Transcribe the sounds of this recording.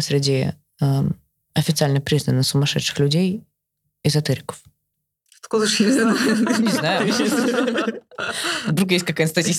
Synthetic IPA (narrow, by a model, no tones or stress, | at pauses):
sʲɾʲɪdʲɪ | ɐfʲɪt̪sɨalʲnəpɾʲiznənːɨxsʊmɐʂɛt̪ʂɨ̥xlʲʉdʲej | ɪzɐt̪ɨɾʲɪkə̥f | t̪kozʃnʲɪzʲad̪nʲɪznajʊ | vd̪ɾukjesʲt̚ʲkɐkajt̪st̪ɐtʲisʲ